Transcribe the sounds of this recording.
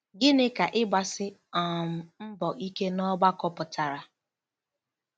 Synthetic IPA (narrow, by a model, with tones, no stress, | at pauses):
ɡɪ˦nɪ˦ka˨ʔɪ˦ɡ͡ba˨sɪ˦ɔ˨m̩˨m̩˦bɔ˨ʔi˦ke˦nɔ˦ɡ͡ba˦kɔ˦pʊ˨tʰa˨ɾa˨